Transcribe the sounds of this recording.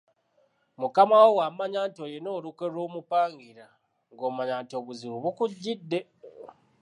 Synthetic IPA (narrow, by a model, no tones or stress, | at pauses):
mukamawowamaɲaːntojeno̞ːluke̞lo̞ːmupaːŋɡiɾa | ŋɡoːmaɲaːnto̞βuziɾuβukuɟːidːe̞